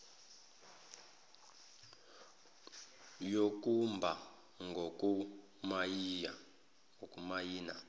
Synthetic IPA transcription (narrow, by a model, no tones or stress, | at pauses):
jok̬ʼumbʱa | ŋɡʱoku | maa | ŋokʼumajiːna